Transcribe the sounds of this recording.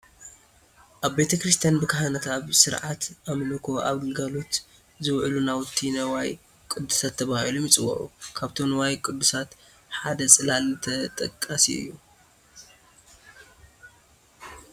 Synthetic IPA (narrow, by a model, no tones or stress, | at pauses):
ʔaβbe̞t̪ʰɐkɾɨst̪ʰijanbɨkʰɐhanɐt̪ʰaβsɨɾʕat̪ʔamlɨkʰo̞ʔa̰βɡɨlɡalo̞t̪ | zɨwʕlunawt̪ʰːinɐwaj | kʼɨd̪ːu̥sat̪ʰːɐβahilumɨt͡sʼɨwɐ̰ʔṵkʰaβt̪ʰo̞nɐwajkʼɨd̪ːusat̪ | ħad̪ɐsʼɨlalt̪ʰɐt̪ʼɐkʼːasḭɨ̰jːu